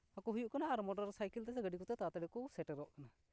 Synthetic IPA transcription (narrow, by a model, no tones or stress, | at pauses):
akɔɦujuʔkanaːɾmɔɖaɾsajkɛlt̪ɛsɛɡəɖikɔt̪ɛt̪at̪ɛɽɛkɔsɛʈəɾɔʔkana